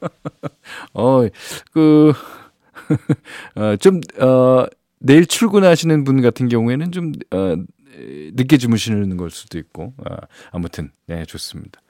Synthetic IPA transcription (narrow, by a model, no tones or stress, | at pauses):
ʌikɯ | ʌt͡ɕomʌ | ne̞iɭt͡ɕʰuɭɡunɦaɕʰinɯnbunɡatʰɯnɡjʌŋue̞nɯnt͡ɕomʌ | nɯk̬͈jed͡ʑimuɕʰinɯnɡʌɭs͈u̥d̥oik̚k͈oʌ̰amutʰɯnːet͡ɕos͈ɯmɲid̥ḁ